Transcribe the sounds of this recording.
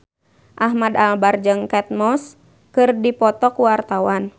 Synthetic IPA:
ʔaɦmadalbard͡ʒɨŋkɛt̪̚mɔs | kɨrdipɔt̪ɔkuwart̪awan

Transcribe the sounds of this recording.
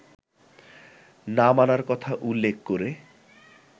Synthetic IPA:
namanaɾkɔt̪ʰaʔulːek̚ʰkoɾe

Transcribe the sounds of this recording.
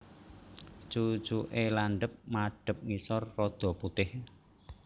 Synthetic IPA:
t͡ʃu̥t͡ʃuʔelanɖəp̚maɖ̥ə̤p̚ŋisɔrːɔd̪̥ɔ̤put̪ɪh

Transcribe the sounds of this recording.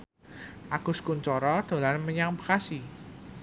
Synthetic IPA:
ʔaɡ̥ʊ̤skuɲt͡ʃɔɾɔd̪̥o̤lanməɲaŋbə̥kasi

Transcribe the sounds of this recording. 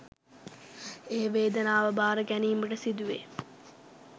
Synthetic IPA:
eːʋeːd̪ɐnaːʋəbaːɾəɡæniːməʈəsid̪uʋe

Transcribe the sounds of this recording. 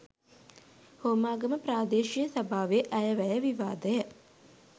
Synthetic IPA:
hoːmaːɡəməpraːd̪eːʃijəsabʱaːʋeʔæjəʋæjəʋiʋaːd̪əjə

